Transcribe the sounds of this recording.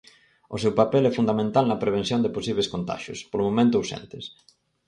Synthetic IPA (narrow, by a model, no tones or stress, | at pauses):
ʊsewpapɛlɛfund̪amẽnt̪alnɐpɾeβ̞ẽn̟θjond̪eposiβleskont̪a̰ʃʊ̰spolomomẽnt̪ʊːuwsɛ̰̃nt̪ɪs